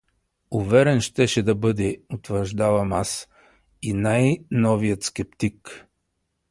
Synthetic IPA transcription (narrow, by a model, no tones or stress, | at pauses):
ʊvɛɾɛnʃt̪ɛʃɛd̪ɐbɤd̪ɛot̪vəɾʒd̪avɐmas | inajnɔvijət̪skɛp̚t̪ik